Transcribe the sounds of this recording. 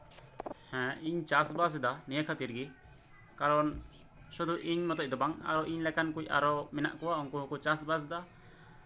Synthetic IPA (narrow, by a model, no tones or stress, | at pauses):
hɛ̃iɲt͡ʃasbas̬d̪anijakʰat̪iɾɡi | kaɾɔn | sud̪uʔiɲmɔt̪ɔʔ̚d̪ɔbaŋa̰ɾɔʔiɲlɛkankuja̰ɾɔmɛna̰ʔkɔwaɔŋkuɦɔkɔt͡ʃasbas̬d̪a